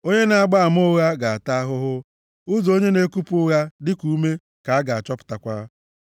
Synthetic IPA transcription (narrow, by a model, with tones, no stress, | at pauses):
o˦ɲe˦na˨a˦ɡ͡ba˦a˨m˦ʊ˦ɣa˦ɡa˨a˨ta˦ɦʊ˦ɦʊ˦ | ʊ˦zo˦ɲe˦ne˦ku˦pʊ˦ɣa˦dɪ˦ku˦me˦ | ka˨a˦ɡa˨a˨t͡ʃɔ˦pʊ̥˨ta˨kʷa˦